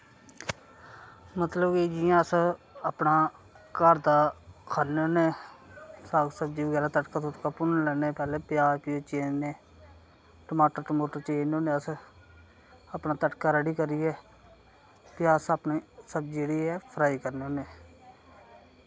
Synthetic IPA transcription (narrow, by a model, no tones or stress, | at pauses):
mət̪ləbkid͡ʒijãːəsəpnaː | kəɾd̪aːkʰaːneoːneː | saːɡsəb̚d͡ʒiːʋəɡɛːɾaːt̪əʈkaːt̪ot̪kaːpʊnlɛːneːpɛːleːpjaːpiːot͡ʃeːnneː | ʈəmaːʈəɾʈəmoːʈəɾt͡ʃeːnõːnẽːəs | apnaːt̪əʈkaːɾəɽiːkəɾiːɛː | pɪjaːsəpniːsəb̚d͡ʒeɽiːɛːpʰɾaːiːkəɾneːoːneː